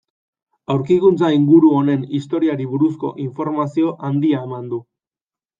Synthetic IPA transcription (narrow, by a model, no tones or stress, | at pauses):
awɾkikunt͡saiŋɡuɾuo̞ne̞nist̪o̞ɾiaɾiβuɾusko̞̰ʔiɱfo̞ɾmasio̞ʔand̪iae̞mand̪u